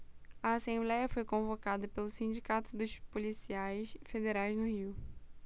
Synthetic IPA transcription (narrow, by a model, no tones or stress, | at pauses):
ɐasẽmblɛjɐfojkõvokad̪ɐpelʊsĩnd͡ʒikat̪ʊd̪ʊʃpolisiajsfed̪eɾajznʊhiw